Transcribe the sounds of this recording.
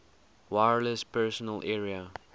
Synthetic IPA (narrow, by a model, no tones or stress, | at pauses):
waɹləspʰɛsɔnəlʔɛɹiə